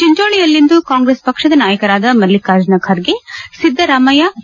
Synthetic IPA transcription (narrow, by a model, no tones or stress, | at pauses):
t͡ʃiɲd͡ʒoːɭijɐlːind̪ukaːŋɡɾeːspɐkʂɐd̪ɐnaːjɐkɐɾaːd̪ɐmɐɾlːikaːɾd͡ʒɐnɐkʰaɾɡesid̪ʱːɐɾaːmɐja